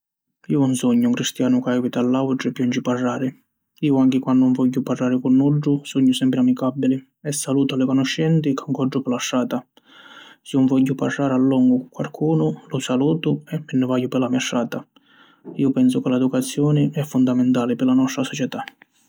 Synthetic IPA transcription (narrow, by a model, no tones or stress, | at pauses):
iːʊunsɔɲːʊuŋkɾist̪jaːnʊkɛɡit̪alːawʈɾɪɛpːjɔnd͡ʒɪparːaːɾɪ | iːʊaŋk̟ɪkwanːʊɱvɔʎːʊparːaːɾɪkʊnːuɖːʊsɔɲːʊsɛmpɾɪamikabːilɪ | ɛsːaluːt̪alːɪkɔnɔʃːɛnt̪ɪkaŋkɔɖːʊpɪlaʃːaːt̪a | sɪuɱvɔʎːʊparːaːɾɪalːɔŋɡʊkwa̰lkʰuːnʊlʊsaluːt̪ʊɛmːɪnːɪvajːʊpɪlamiaʃːaːt̪a | iːʊpɛnsʊkɪlɛd̪ukat̪sːjɔːnɪɛfːʊnd̪amɪnt̪aːlɪpɪɾlanɔst̪ɾasɔt͡ʃɛt̪a